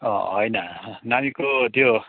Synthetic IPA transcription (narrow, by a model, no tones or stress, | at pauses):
ʌ̰ɦʌjnanamikod̪jo